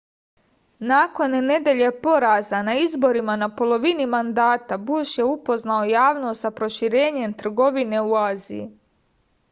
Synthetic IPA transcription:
naːko̞nːe̞d̪e̞ʎe̞po̞ɾazanaizbo̞ɾimanapo̞lo̞ʋinimand̪aːt̪abuʃje̞upo̞znaojaːʋno̞st̪sapɾo̞ʃiɾe̞ːɲe̞mt̪r̩ɡo̞ʋine̞uaːzḭji

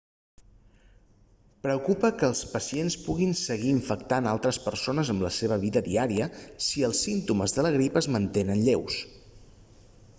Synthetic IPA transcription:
pɾəkupəkəːlˠspəsienspuɣinsəɣiːɱfəkt̪analˠt̪ɾəspəɾsonəzəmləseβ̞əβ̞iðəðiaɾiəsiəlˠsint̪uməzðələɣ̞ɾipəzmənt̪enənʎews

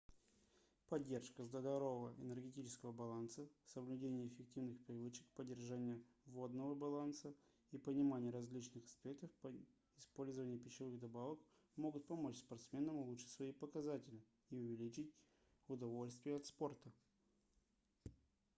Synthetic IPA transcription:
pɐdʲːe̞rʂkəzd̪əd̪ɐɾovəvəʔɪnərɡʲɪt̬ʲit͡ɕɪ̥skəvəbɐlˠansəsəvlʲʉdʲenʲɪjəːfʲɪk̚tʲivnɨxpɾʲɪvɨt͡ɕɪ̥kpədʲːɪrʐanʲɪjəvo̞d̪nəvəbɐlˠansə | ipənʲɪmanʲɪjəɾɐzʲlʲit͡ɕnɨxɐ̥spʲek̚t̪əfpə | ɪspo̞lʲzəvənʲɪjəpʲɪɕːɪvɨɣd̪ɐbavək | mo̞ɡʊt̪̚pɐmo̞t͡ɕspɐrt̪smʲe̞nəmʊlˠuʂɨ̥tʲsvɐipəkɐzatʲɪlʲɪ | iʊvʲɪlʲit͡ɕɪtʲ | ʊd̪ɐvo̞lʲst̪vʲɪjəɐt̪spo̞rt̪ə

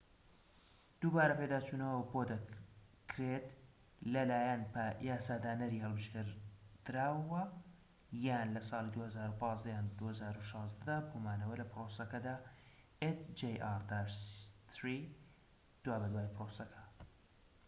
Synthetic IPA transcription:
d̪̥uːbaːɾɐped̪aːt͡ʃuːnɐwəwəbod̪ɐ | kʰɾet̪ | lɐlaːjɐnpajaːsaːd̪aːnɐɾiːhɐlˠbɨʃkɨɾd̪̥ɨɾaːwɐ | jaːnlɐsɑːlid̪uːhɐzaːɾupɑːzd̪ɐjaːnd̪uːhɐzaːɾuʃɑːzd̪ɐd̪aːbomaːnɐwɐlɐpɾosɐkɐd̪aː | et̪d͡ʒejʔaɾd̪at̪ɾi | d̪̥waːbɐd̪waːjpɾosɐkʰɐ̥

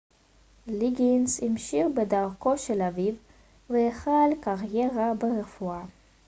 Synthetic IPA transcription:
liɡinshimʃiʁbedaʁko̞ʃelaviv | vejeχalkaʁjeʁabeʁefua

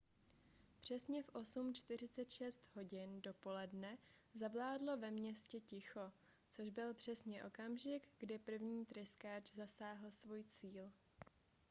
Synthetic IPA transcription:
pr̝̥ɛsɲɛfʔo̞sumt͡ʃt̪ɪr̝ɪt͡sɛt̪ʃɛst̪ɦo̞ɟɪndo̞po̞lɛdnɛ | zavlaːdlo̞vɛmɲɛscɛcɪxo̞ | t͡so̞ʒbɪlpr̝̥ɛsɲɛʔo̞kamʒɪkɡdɪpr̩vɲiːt̪ɾɪskaːd͡ʒzasaːɦl̩svuːjt͡siːl

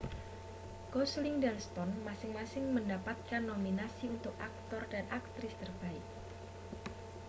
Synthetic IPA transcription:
ɡ̥ɔslɪŋdɛlst̪ɔnmasɪŋmasɪŋməndapat̪̚kanːominasiunt̪ʊkʔak̚t̪ɔrdanʔak̚t̪ɾɪst̪ərbaɪk̚

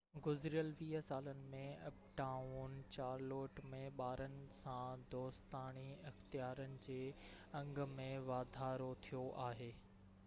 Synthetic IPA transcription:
ɡʊzɾijəlʋiːɦəsaːlənɪ̆mẽɐpʈaːunɪ̆t͡ɕaːɾloːʈmẽɓaːɾənɪ̆sãd̪oːst̪aːɽ̃iɪxt̪ijaːɾənɪ̆d͡ʑeː | ɐ̃ŋɡmẽʋaːd̪ʱaːɾot̪ʰijoʔaːɦeː

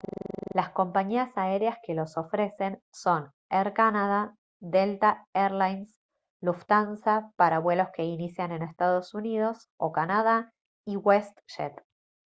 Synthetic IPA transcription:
lasko̞mpaɲiasae̞ɾjaske̞lo̞so̞fɾe̞se̞nso̞n | eɾkanaða | ðelt̪aeɾlajns | luft̪ansapaɾaβwe̞lo̞ske̞inisjane̞ne̞st̪að̞o̞sunið̞o̞s | okanaða | iɣwest̪ʃḛt̪

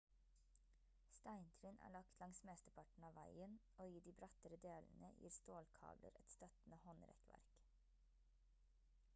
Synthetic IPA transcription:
st̪æɪnt̪ʰɾɪnʔæ̰ːɭɑkt̪lɑŋsmeːst̪əpʰɑʈɳ̩ɑːʋæɪənʔoːiːd̪iːbɾɑt̪əɾəd̪eːln̩əjḭːɾst̪oːlkʰɑ̰ːblə̰ɾɛt̪st̪œt̪n̩əhɔnɾɛ̰kʋæ̰ɾk

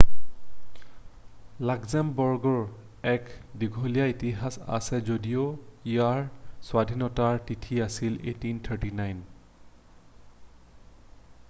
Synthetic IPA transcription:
laɡzɛmbɔɹɡɔɹ | ɛkdiɡʱolijaitiɦasa̰sɛzodijoijaɹswadʱinɔtaɹtitʰiasilḛtint̪ʰəɹtinajn

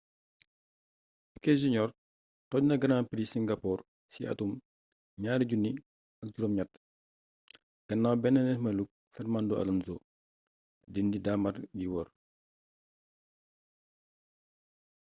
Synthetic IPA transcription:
fi̥kɛʒiɲɔr | tɔɟnɐɡɐnaːmpiɾisiŋɡapɔːr | siʔɐ̰tum | ɲaːɾiɟunːi | ɐk̚ɟuɾɔmɲatː | ɡ̥ɐnːaːwbɛnːɐnɛmɐluk̚ | fɛɾmandɔɐ̰lunzɔ | dindidamɐtɟiwɔr

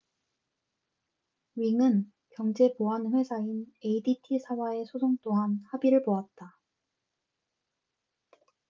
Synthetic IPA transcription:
ɥiŋɯn | kjʌŋd͡ʑe̞poanɸwe̞sʰaine̞iditʰisʰawae̞sʰosʰoŋt͈oɦanhabiɾɯɭpoat̚t͈a

